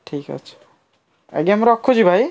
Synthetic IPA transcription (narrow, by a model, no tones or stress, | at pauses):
ʈʰikʌ̰t͡ʃʰ | ḛɡeamɾɔkʰːod͡ʒibʱaj